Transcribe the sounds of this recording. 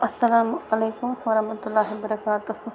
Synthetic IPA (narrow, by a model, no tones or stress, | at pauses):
ɐsːɐlaːmɐleːkʊmʋɐɾɐɦmɐt̪ʊlːaːɦibɐɾɐkaːt̪ʊh